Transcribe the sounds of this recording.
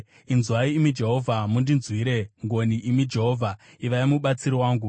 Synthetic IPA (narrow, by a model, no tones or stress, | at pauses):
inzwaiːmid͡ʒe̞ɦo̞vʱamundinzwiɾe̞ŋɡo̞niʔimid͡ʒe̞ɦo̞ːvʱa | iʋajimuɓat͡siɾiwaːŋɡu